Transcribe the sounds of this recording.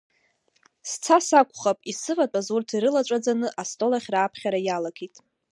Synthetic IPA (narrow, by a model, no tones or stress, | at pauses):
st͡sʰasakʷʰʼχapʼisɨvatʼazurtʰiɾɨlat͡ʃʷʼad͡zanɨʔastʼo̞laχʲraːpʰχʲaɾajalakʰitʼ